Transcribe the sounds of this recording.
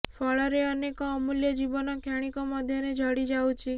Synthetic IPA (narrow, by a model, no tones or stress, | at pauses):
fɔɭɔɾeənekoːmuljəd͡ʒiʋɔnɔkʰjaɽ̃ikoməd̪ʱjɔned͡ʒʱɔɽid͡ʒawt͡ʃʰi